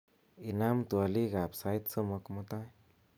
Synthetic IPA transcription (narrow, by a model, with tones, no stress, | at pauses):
i˧na˦mt̪u˨a˧li˦ɡa˨psa˧jt̪so˦mo˧kmu˦t̪a˦